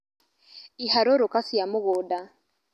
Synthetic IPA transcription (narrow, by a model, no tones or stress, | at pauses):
ihaɾoɾokasjamʊɣoːda